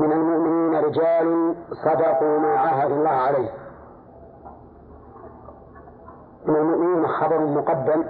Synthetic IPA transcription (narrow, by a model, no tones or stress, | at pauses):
mɪnalmʊʔmɪniːnaɾɪd͡ʒaːlʊnsˤɑd̪ɑqumaːʕaɦad̪alˤːɑːhʕalajh | mɪnalmʊʔmɪniːnaxɑbɑɾʊlmʊqɑd̪ːam